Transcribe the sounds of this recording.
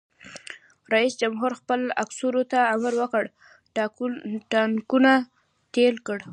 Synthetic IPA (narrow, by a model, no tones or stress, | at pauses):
ɾaisd͡ʒamɦuɾxpəla̰ksuɾot̪aamaɾwəkəɽ | ʈankuna | t̪elkəɽ